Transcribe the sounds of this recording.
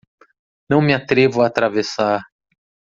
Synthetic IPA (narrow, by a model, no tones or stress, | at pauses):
nɐ̃w̃mɪat̪ɾevʊat̪ɾavesaɾ